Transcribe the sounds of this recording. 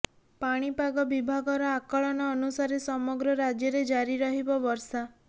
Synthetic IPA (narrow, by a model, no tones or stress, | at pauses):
paɽ̃ipaɡɔbibʱaɡɔɾɔakɔɭɔnɔːnusaɾesɔmɔɡɾɔɾad͡ʒjɔɾed͡ʒaɾiɾɔɦibɔbɔɾsa